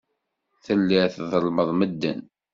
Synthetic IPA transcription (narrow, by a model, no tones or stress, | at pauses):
θəlːiʕθðəlməðˤməd̪ːə̰n